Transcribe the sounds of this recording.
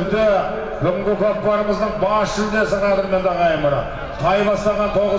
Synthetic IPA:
ɾd̪ɪ | bɪɡʲɪmɡʲɪklˠop̚qlˠɑɾəməzd̪əɴbɑsʃɪld̪esəʁɑɾənme̞nd̪ɑʁɑjməɾɑ̰ | qʰɑjbɑst̪ɑʁɑnt̪ʰo̞ʁə

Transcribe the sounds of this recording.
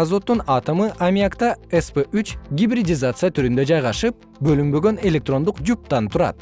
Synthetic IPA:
azo̞t̪ːunɑt̪amɯʔamʲiakt̪ɑespeʔyt͡ʃɡʲibɾʲidʲɪzat̪sɨjat̪ʰyɾynd̪ø̞d͡ʒɑjʁɑʃɯp̚ | bø̞lymbø̞ɡø̞ne̞lʲe̞k̚t̪ro̞nd̪uqd͡ʒup̚t̪ːɑnt̪ʰuɾɑ̰t̪̚

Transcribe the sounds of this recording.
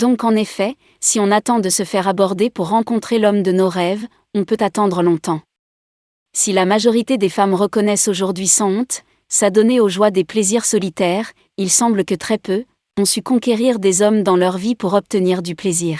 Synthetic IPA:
d̪ɔ̃kɑ̃nefɛ | siɔ̃nat̪ɑ̃d̪əsəfɛʁabɔʁd̪epuʁːɑ̃kɔ̃t̪χelɔmd̪ənoʁɛv | ɔ̃pøt̪at̪ɑ̃d̪ʁəlɔ̃t̪ɑ̃ | silamaʒɔʁit̪ed̪efamʁəkɔnɛsoʒuʁd̪ɥisɑ̃ɔ̃t̪ | sad̪ɔneoʒwad̪epleziʁsɔlit̪ɛʁ | ilsɑ̃bləkət̪χɛpø | ɔ̃sykɔ̃kʲeʁiʁd̪ezɔmd̪ɑ̃lœʁvipuʁɔp̚t̪əniʁd̪ypleziːʁ

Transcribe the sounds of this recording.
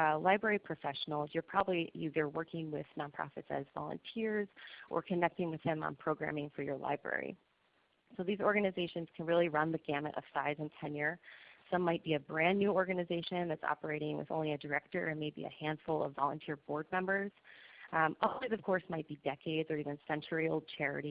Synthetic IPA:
laɪbɹɛɹipʰɹ̥ɨfɛʃn̩l̩ˠzjə˞pʰɹ̥ɑbəblijɨðə˞wɜ˞kɪ̃ŋwɪð̥nɑ̃npʰɹ̥ɑ̰fɨ̰tsɨ̰zvɑ̰lˠə̰̃ntʰɪɹzʔə̰˞kʰɨnɛk̚tɪ̃ŋwɨð̥ɨ̃mə̰̃npʰɹ̥oʊɡɹæ̰̃mɪ̃ŋfə˞jə˞la̰ɪbɹɛ̰ɹḭ | soʊðizɔɹɡɨnɨzeɪʃɨ̃nz̥kʰn̩ɹɪlˠiɹʌ̃nðɨɡæmɨ̰ɾʔʌ̰v̥saɪzɨ̃ntʰɛ̃njɪɹsʌ̃mːaɪt̚b̥iɨbɹæ̃nːʉɔɹɡɨnɨzeɪʃɨ̃nðɨtsɑ̰pə˞eɪɾɪ̃ŋwɨ̰ðõ̰ʊ̃nlˠiɨdə˞ɛk̚tə˞ɨ̃nmeɪbḭɨ̰hæ̃nd̥fʊl̩ˠʌ̰vvɑlˠə̃ntʰɪɹbɔɹd̚mɛ̃mbə˞z̥ | ʔʌizʌv̥kʰɔɹsmaɪt̚b̥idɛkʰeɪdzə˞ivɨ̃nsɛ̃nt͡ʃə˞ioʊlˠd̚t͡ʃʰɛɹɨ̰ɾi

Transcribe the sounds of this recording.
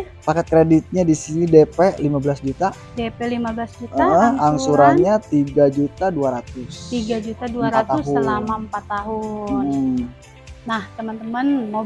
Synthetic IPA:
pakɛt̪̚kɾedit̪̚ɲadisinidepɛlimabəlasd͡ʒut̪a | depɛlimabəlasd͡ʒutəaɦəhaŋsuɾaɲat̪iɡad͡ʒut̪aduaɾat̪ʊst̪iɡad͡ʒut̪aduaɾat̪asɦuəlamaəmpat̪ːaɦʊn | naht̪əmənt̪əmənmo

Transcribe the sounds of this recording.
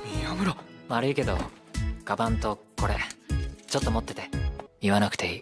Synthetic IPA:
iomɯɾomaɾɯike̞d̪o̞̰ɡ̥abãnt̪o̞ko̞ɾḛt͡ɕo̞t̪ːo̞mo̞t̪ːe̞̥t̪e̞iβanakɯ̟̥t̪e̞iː

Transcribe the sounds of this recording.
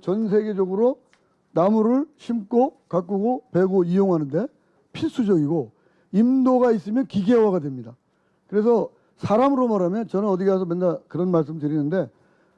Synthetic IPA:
t͡ɕʌns̬ʰe̞ɡed͡ʑʌɡɯɾo | namuɾɯɭɕʰimk͈okak͈uɡope̞ɡoijoŋɦanɯnde̞ | pʰiɭs͈ʰud͡ʑʌɡiɡo | imdoɡais͈ɯmjʌnkiɡe̞waɡadwe̞mɲida | kɯɾe̞sʰʌ | sʰaɾamɯɾomaɾamjʌnt͡ɕʌnɯnʌdiɡeas̬ʰʌmendakɯɾʌnmaɭs̬͈ɯmtɯɾinɯnde̞

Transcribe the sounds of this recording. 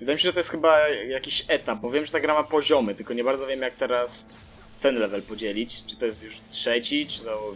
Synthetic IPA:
vɘd̪ajemiɕɛʐɛt̪ɔjɛst̪xɘbajakʲiɕɛt̪ap̚bɔvʲjɛmʐɛt̪aɡɾamapɔʑɔmɘt̪ɘlkɔɲɛbaɾd̪zɔvʲjemjak̚t̪ɛɾas | t̪ɛnlɛvɛlpɔd͡ʑɛlʲit͡ɕt͡ʂɨ̥t̪ɔjɛst̪juʂtʂɛt͡ɕit͡ʂɨ̥t̪ɔ

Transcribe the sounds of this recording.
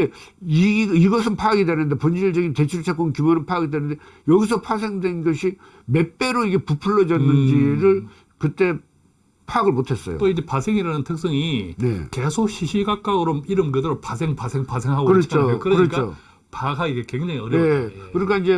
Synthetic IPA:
eiiɡʌs̬ʰɯnpʰaɡidwe̞nɯnde̞pond͡ʑiɭd͡ʑʌɡinte̞t͡ɕʰuɭt͡ɕʰak͈onnkjumoɾɯnpʰaɡidwenɯnde | jʌɡis̬ʰʌpʰwas̬ʰe̞ŋdwenɡʌɕʰi | me̞p͈e̞ɾoiɡe̞pupʰuɭːʌd͡ʑʌnːɯnd͡ʑiɾɯɭ | kɯt͈e̞ | pʰaːɡɯɭmotʰe̞s͈ʌ̰jo̰toid͡ʑepasʰeŋiɾanɯntʰɯk̚s͈ʌŋine̞̰kesʰok̚ɕiɕʰiɡak͈aɡɯɾomiɾɯmɡɯdɯɾopasʰeŋpasʰeŋpasʰeŋɦaɡokɯɾʌt͡ɕʰokɯɾʌɾk͈ao̰ | paɡaɡiɡekweŋd͡ʑaŋiʌɾekɯɾik͈aind͡ʑe̞

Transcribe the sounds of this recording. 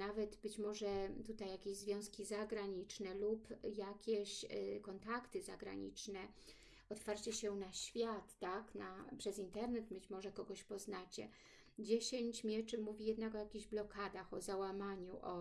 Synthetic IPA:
navɛt̪bɘt͡ɕmɔʐɛt̪ut̪ajːakʲeʑzvʲjɔ̃w̃skʲizaɡɾaɲit͡ʂnɛlupjakʲeɕkɔnt̪akt̪ɘzaɡɾa̰ɲḭt͡ʂnɛ | ɔt̪faɾt͡ɕɛɕɛnaɕfʲjat̪ːaknapʂɛzint̪ɛɾnɛt̪bɘt͡ɕmɔʐɛkɔɡɔɕpɔznat͡ɕɛ̰ | d͡ʑeɕeɲt͡ɕmʲjɛt͡ʂɘmuvʲijɛd̪nakɔjakʲiʑblɔkad̪axɔzawamaɲuʔɔ

